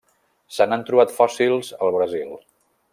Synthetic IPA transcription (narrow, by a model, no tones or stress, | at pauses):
sənant̪ɾuβat̪fɔsilˠzəlˠβɾəzilˠ